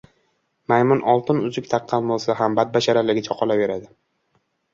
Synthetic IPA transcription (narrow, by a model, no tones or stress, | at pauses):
majmʊnʔɒlˠt̪ʰɪnʊzʊkʲt̪ʰɑqʰːɑnbolˠsaɦambad̪̚baʃaɾalɪɡʲɪt͡ʃʰɒqʰɒlave̞ɾad̪ɪ